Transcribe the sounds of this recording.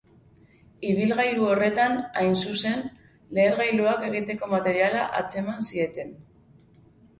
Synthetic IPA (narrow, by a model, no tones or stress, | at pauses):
iβ̞ilɣajɾuo̞re̞t̪anajnsuse̞n | le̞ːɾɣajluake̞ɣ̞it̪e̞ko̞mat̪e̞ɾialaʔat͡se̞mansie̞t̪e̞n